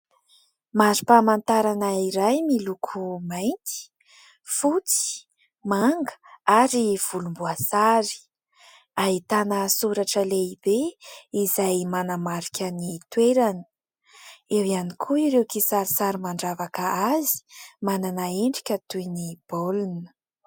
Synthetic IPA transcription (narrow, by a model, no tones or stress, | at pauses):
mazi̥pamant̪aɾanaiɾajmilukʰumajnt̪i̥ | fut͡si̥ | maŋɡə̥aɾiv̥ulumbuasaɾi̥ | ait̪anəsuɾaʈ͡ʂəleibeizajmanamaɾikʲanit̪weɾani̥ | ewianikʰuiɾewkisaɾisaɾimaɳɖ͡ʐavakəazi̥mananaeɳɖ͡ʐikʲət̪ujnib̥olunə̥